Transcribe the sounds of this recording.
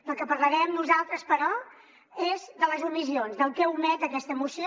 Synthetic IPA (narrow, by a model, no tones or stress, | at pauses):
d̪əlˠkəpəɾləɾɛəmnuzalˠt̪ɾəspəɾɔ | ezðələzumizionzðəlˠkɛumɛt̪əkɛst̪əːmusio